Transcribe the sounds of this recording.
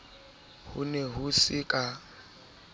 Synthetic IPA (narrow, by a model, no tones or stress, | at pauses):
hṵnɛɦusikʼa